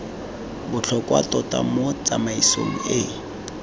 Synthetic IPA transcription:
bʊt͡ɬʰɔkʼwa̰tɔtʼa̰mot͡sʼamaiso̰ŋ̩ɪ

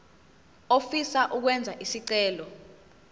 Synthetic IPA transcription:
ofisaʔuk̬wɛnd͡zʱaʔisiǀɛːlɔ

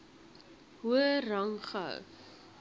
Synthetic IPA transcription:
ɦuərɐŋχə̰w

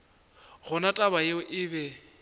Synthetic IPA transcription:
ɣʊnatʼaβajeʊʔɪbɛ

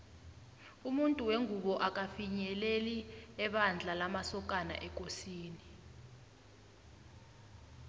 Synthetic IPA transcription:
umuntʼuweŋuɓɔʔak̬ʼafiɲɛleliɛɓand͡ɮʱalamasɔk̬ʼana̰ʔɛk̬ʼosiːni

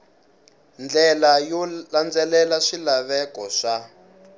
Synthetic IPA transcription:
nd͡ɮɛlajɔland͡zɛlɛlaʂilaβɛkɔʂa

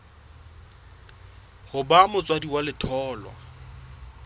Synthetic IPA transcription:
hʊbamʊt͡sʼwadiwalɪtʰɔːlwa̰

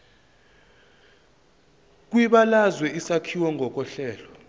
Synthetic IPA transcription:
k̬ʼwiɓalazwɛisakʰiwɔŋʱɔk̬ɔɬɛːlɔ

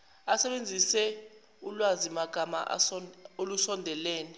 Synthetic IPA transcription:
asɛɓend͡zʱisɛ | ulwazimaɡ̥ʱama̰ʔolusɔndʱɛlɛːnɛ

